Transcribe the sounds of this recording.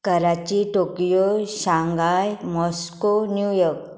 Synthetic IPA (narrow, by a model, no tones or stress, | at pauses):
kəɾat͡ɕiʈokijoɕãŋɡajmɔskonjujɔɾk̚